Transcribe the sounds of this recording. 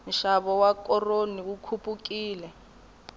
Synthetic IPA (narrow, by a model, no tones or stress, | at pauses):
n̩ʃaβɔwakɔroniukʰupʼuk̬ʼiːlɛ